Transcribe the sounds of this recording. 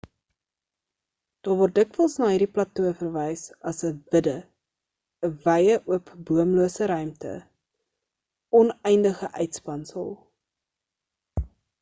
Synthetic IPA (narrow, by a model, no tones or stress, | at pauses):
d̥ɑːrvɔrt̚dəkvəlˠsnɑːɦiːrdiplɐtuəfərvɛjsɐsəvədə | əvɛjəʔuəpbuəmluəsəɾœɥmtə̰ | ɔnɛjndəχəʔœɥtspɐnsə̰lˠ